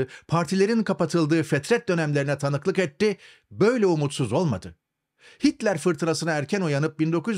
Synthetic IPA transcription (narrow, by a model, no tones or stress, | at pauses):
ɯpʰaɾt̪ʰilʲe̞ɾinkʰapat̪ʰɯlˠd̪ɯːfɛt̪ɾɛt̪̚d̪ø̞næmlʲe̞ɾinɛt̪ʰanɯklˠɯkɛt̪ːi | bø̞jlʲɛumut̪suzo̞lˠmad̪ɯ | hit̪lʲæɾfɯɾt̪ʰɯɾasɯnaæɾcʰænujanɯp̚bind̪o̞ku